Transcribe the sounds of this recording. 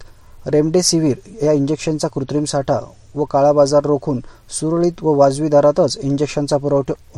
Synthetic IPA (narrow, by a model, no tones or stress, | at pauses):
ɾemɖesiʋiːɾjaiɲd͡ʑekɕənt͡sakɾut̪ɾiːmsaʈʰa̰ | ʋəkaɭabad͡zaɾːokʰuːnsuɾɭiːt̪ʋəʋad͡zʋiːd̪aɾat̪ət͡siɲd͡ʑekʂənt͡sapəɾəʋʈʰ